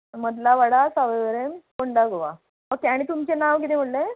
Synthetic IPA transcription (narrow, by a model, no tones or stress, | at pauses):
məd̪laʋaɽasaʋeʋəɾemkoɳɖaɡoʋa̰ | okeaɽ̃it̪umt͡ɕenaʋkit̪ʰem̤əɽle